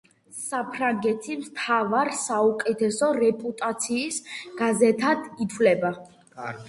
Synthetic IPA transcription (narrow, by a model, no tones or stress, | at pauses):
sapʰɾaŋɡɛt̪ʰimt̪ʰavaɾsaukʼɛt̪ʰɛsɔɾɛpʼut̪ʼat̪sʰiːsɡ̥azɛt̪ʰad̪̥it̪ʰvlɛba